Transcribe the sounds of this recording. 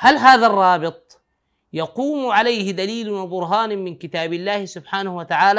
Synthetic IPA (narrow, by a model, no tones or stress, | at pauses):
halɦaːðarˤːɑːbɪt̪̚ˤ | jɑquːmʕalajhɪd̪aliːlwɪbʊɾɦaːnmɪnkɪt̪aːbɪlːaːhɪsʊbħaːnahwat̪aʕaːlaː